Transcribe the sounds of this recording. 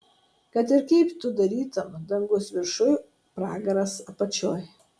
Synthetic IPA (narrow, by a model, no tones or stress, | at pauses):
kɐt̪ɪɾkɛɪpt̪ʊd̪ɐɾʲiːt̪ɐmd̪ɐŋɡʊsʋʲɪɾʃʊj | pɾɑːɡɐɾɐsɐpɐt͡ʃʲoːj